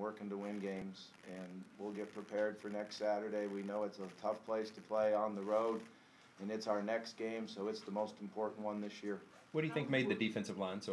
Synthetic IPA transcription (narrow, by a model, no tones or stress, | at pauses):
wɜ˞kɪ̃ntuwɪ̃nɡẽɪ̃mz̥ | ɨ̃nwilˠɡɛt̚pʰɹ̥ipʰɛɹd̥fə˞nɛkstsæɾə˞ɾeɪwinoʊɨtsətʰʌfpʰl̥eɪstʰɨpʰl̥eɪə̃nðəɹoʊɾ | ɨ̃nɨtsaʊə˞nɛksɡ̥ẽɪ̃msoʊɨtsðəmoʊstm̩pʰɔɹʔn̩ʔwʌ̃nðɪsjɪɹ | wʌtd̥ɨjɨθɪ̃ŋk̚meɪd̪̚ðɨdifɛ̃nsʌvlãnso